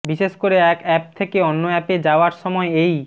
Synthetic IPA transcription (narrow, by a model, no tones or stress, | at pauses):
biʃeʃkoɾeɛkɛp̚t̪ʰekeɔnːoɛped͡ʑaoaɾʃɔmɔeej